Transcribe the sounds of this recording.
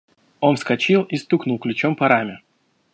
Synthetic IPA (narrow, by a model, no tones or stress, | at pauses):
o̞nfskɐt͡ɕilˠist̪uknʊlˠklʲʊt͡ɕompɐɾamʲɪ